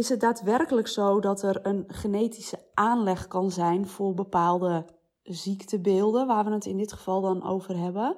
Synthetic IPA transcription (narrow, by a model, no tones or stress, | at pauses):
ɪsɦət̚daːtʋɛrkələksowdɔtərənχənejti̥səʔaːnlɛxkɑnzɛjnfʊːrbəpaːlˠdə | ziktəbɪːlˠdənʋaːrʋənətɪndɪtχə̥v̥ɑlˠdɔnʔo̰wvərɦɛbə